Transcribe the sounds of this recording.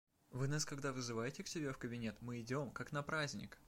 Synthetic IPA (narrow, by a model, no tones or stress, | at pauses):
vɨnaskɐɡd̪avɨzɨvajɪtʲɪksʲɪbʲe̞fkəbʲɪnʲe̞t̪mɨɪdʲo̞mkaknɐpɾazʲnʲɪ̰k